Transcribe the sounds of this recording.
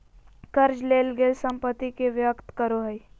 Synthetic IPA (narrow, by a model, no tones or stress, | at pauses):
kəɾd͡ʒleːlɡeːlsə̃mpət̪ːikeʋjəkt̪kəɾoɦəi